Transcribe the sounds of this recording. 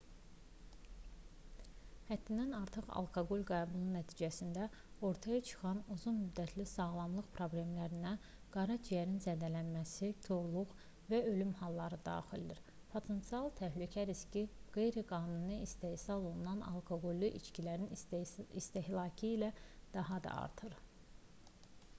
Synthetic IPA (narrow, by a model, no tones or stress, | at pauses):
hæd̪ːind̪ænɑ̰ɾt̪ʰɯχɑ̰lˠkʰoɡolʲɡɑːbununæt̪ʰiːd͡ʒæsind̪æo̞ɾt̪ʰɑjɑt͡ʃʰɯ̥χɑnuzunmyd̪ːæt̪ʰlisɑɣlˠɑmlˠɯχpʰɾo̞blʲe̞mlæɾinæ | ɡ̥ɑɾɑt͡ʃʰijæɾinzæd̪ælænmæsit̪ʰoɾlˠuʁ | væø̞lymhɑlˠːɑɾɯd̪ɑ̰ːχild̪iɾ | pʰo̞t̪ʰe̞nt̪siɑlˠt̪ʰæɦlycʰæɾiscʰiɡ̥e̞jɾiɡɑːnunɯist̪e̞ːsɑlˠo̞lˠunɑnɑ̰lˠkʰoɡolʲːiʔit͡ʃcilæɾinist̪e̞hlˠɑːcʰiːlæd̪̥ɑɦɑd̪ɑ̰ɑ̰ɾt̪ʰɯɾ